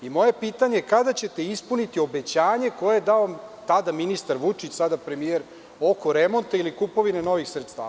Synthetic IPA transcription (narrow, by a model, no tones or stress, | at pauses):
imo̞je̞piːt̪aɲekad̪at͡ɕe̞t̪e̞ispunit̪io̞be̞t͡ɕaːɲe̞ko̞jejed̪aot̪ad̪aminist̪aɾʋut͡ʂit͡ɕsad̪apɾe̞mije̞ɾ | o̞ko̞ɾemo̞nt̪ailikupo̞ʋine̞no̞ʋixsɾet̪st̪a̰ːa